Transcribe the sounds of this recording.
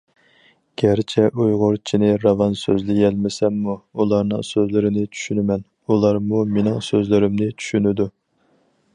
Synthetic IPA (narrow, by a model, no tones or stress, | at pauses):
ɡ̥ʲæɾt͡ʃʰɛʔujʁʊɾt͡ʃʰinɪɾɑvɑnsø̰zlɪjɛlmɪsɛmːuulˠɑɾnɨ̰ŋsøzlɪɾɪnɪt͡ʃʰy̥ʃynɪmɛn | ulˠɑɾmumenɪŋsøzlɪɾɪmnɪt͡ʃʰy̥ʃynɪd̪u